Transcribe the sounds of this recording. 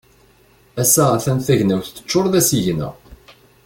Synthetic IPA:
æsːæθænθæʝnæwθt͡sːə̥t͡ʃːʊɾðæsiʝnə̰ʁ

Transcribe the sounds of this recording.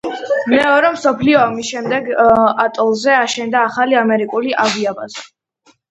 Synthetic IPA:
mɛɔɾɛmsɔpʰliɔamisʃɛmd̪ɛɡat̪ʼɔlˠzɛaʃɛnd̪aːχaliamɛɾikʼuliʔaviabazɛ

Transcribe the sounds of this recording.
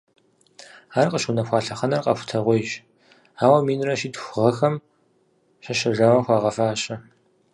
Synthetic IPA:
aːrqəʃunɐxʷɑːɬɐχɐnɐrqɐ̰xʷʊ̥tʰɐʁʷejɕ | aːwɐmiːnrɐʃiːtxʷʁɐxɐm | ɕɐʃɐʒɐwɐxʷɑːʁɐfaːɕʼɐ

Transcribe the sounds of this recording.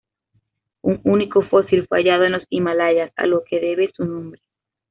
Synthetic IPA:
uŋuniko̞fo̞silfeaʝað̞oenlosimalaʝasa̰lo̞ke̞ðe̞βesunõmbɾe

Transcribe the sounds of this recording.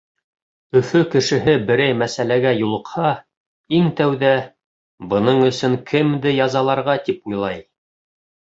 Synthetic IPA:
ɵ̆fɵkɘ̆ʃɘ̆ɦɘbɘ̆ɾæjmæsælæɡæjulˠɤ̆qhɑ | iŋt̪æwðæ | bɤ̆nɤɴɵ̆sɵŋkʰɘmd̪ɘjɑzɑlˠɑɾʁɑt̪ipujlˠɑj

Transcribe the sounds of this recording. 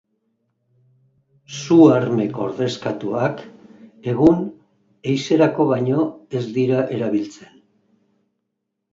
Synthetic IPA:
suaɾme̞ko̞̰ɾðe̞skat̪uake̞ɣ̞un | e̞jse̞ɾako̞β̞aɲo̞e̞zd̪iɾaʔe̞ɾaβ̞ilt͡se̞n

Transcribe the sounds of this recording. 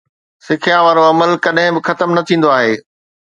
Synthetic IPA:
sɪkʰijãʋaːɾoɐməlkɐɗɦɪ̃bɪxɐt̪əmnɐt̪ʰĩːn̆d̪oaːɦeː

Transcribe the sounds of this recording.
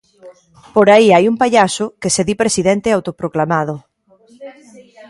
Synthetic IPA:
poɾaiajumpaʎasʊkeseðipɾesiðɛnt̪eawt̪opɾoklamað̞ʊ

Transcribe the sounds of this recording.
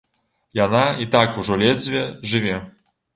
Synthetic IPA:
janait̪akuʐɔlʲɛd̪zʲvʲɛʒʐɨʋʲɛ

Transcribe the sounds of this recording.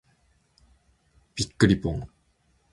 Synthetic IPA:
pikːɯɾipoŋ

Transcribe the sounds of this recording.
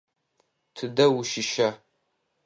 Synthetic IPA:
tʰɨdɐwuʃɪʃɐ

